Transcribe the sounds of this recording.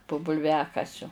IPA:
poː bʊlʲˈʋʲæːkɐsʲʊ

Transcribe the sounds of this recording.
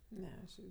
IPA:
ˈnʲɛ ɐʃ ˈɪrʲɡʲɪ

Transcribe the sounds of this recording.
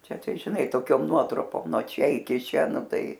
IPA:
ˈt͡ʃʲɛ ˈtɐɪ ʒʲɪˈnɐɪ toːˈkʲoːm ˈnuɔtrʊpoːm nuɔ ˈt͡ʃʲɛ ɪˈkʲɪ ˈt͡ʃʲɛ ˈnʊ ˈtɐɪ

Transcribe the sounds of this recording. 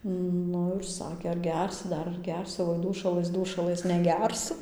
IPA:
ˈnʊ ɪr ˈsɑːkʲeː ɐr ˈɡʲɛrʲsʲɪ ˈdɐr ɐr ˈɡʲɛrʲsʲɪ oːɪ ˈduːʃɐlˠɘs ˈduːʃɐlˠɘs nʲɛˈɡʲɛrsʊ

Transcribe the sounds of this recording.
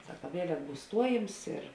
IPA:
ˈsɑːkɐ ˈʋʲiɛlʲɛk ˈbuːs ˈstuɔjɪms ɪr

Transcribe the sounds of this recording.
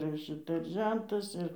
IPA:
ɪr ˈʃʲɪtɐ ɪr ˈʒʲɛntɐs ɪr

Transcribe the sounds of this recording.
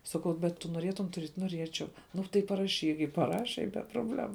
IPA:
ˈsɑːkɐʊ bʲɛt tʊ noːˈrʲiɛtʊm tʊˈrʲiɛtʲ noːˈrʲiɛt͡ʃʲɛʊ ˈnʊ tɐɪ pɐrɐˈʃʲiːk ɪ pɐˈrɑːʃʲɛ ɪ bʲɛ proːbʲˈlʲæːmʊ

